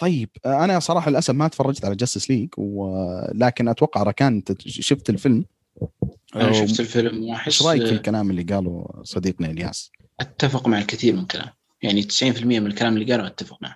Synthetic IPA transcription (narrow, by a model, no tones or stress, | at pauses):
t̪ˤɑjːɪb̥ʔanasˤɑɾˤɑːħalʔasabmat̪fɑrˤːɑd͡ʒt̪ʕalad͡ʒasɪsliːɡwɪlaːkɪnʔat̪wɑqːɑʕɾˤɑkaːnt̪ʃʊft̪ɪlfɪlm | ʃɪft̪ɪlfɪlmwʔaħɪʃɾˤɑːjɪkɪlkalaːmɪlːiɡaːlṵsˤɑd̪iːqniɪlja̰ːs | ʔat̪ːafɪqmaʕalkɪθiːɾmɪmkʰala̰ːm | jaʕnit̪ɪ̥sʕiːnfɪlmɪjːamɪnɪlkalaːmɪlːiɡaːluwʔat̪ːafɪq̚maʕ